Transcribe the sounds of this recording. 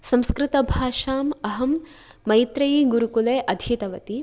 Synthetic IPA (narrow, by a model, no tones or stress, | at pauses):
sɐ̃mskɾɪt̪ɐbʱaːʃaːmɐɦɐmːɐjt̪ɾɐjiɡuɾukuleːʔɐd̪ʱit̪ɐʋɐt̪i